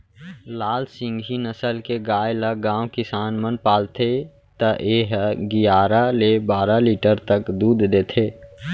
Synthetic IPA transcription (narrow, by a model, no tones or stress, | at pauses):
laːlsɪ̃ŋɡʱinəsəlkeɡaːjləɡãːwkɪsaːnmənpaːlt̪ʰe | t̪əʔeːɦɡɪjaːɾalebaːɾaliːʈəɾt̪əkd̪uːd̪d̪eːt̪ʰeː